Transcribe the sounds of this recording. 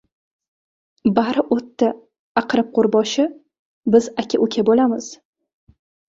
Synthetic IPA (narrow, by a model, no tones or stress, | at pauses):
baɾɪʔot̪ːɪ | aqʰɨɾɪp̚qʰoɾbɒʃɪ | bɪzakʲʰaʔʊkʲʰabolamɪz̥